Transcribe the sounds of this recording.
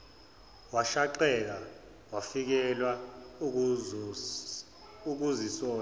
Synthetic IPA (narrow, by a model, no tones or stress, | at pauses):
waʃaǃɛk̬a | wafik̬ɛlwa | uk̬uzisɔːn